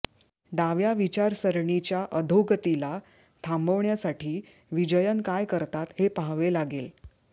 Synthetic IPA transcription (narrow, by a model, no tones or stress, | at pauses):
ɖaʋjaʋit͡ɕaɾsəɾɳit͡ɕjaʔəd̪ʱoɡət̪ila | t̪ʰambəʋɳjasaʈʰiː | ʋid͡ʑəjənkajkəɾt̪at̪hepaɦʋelaɡel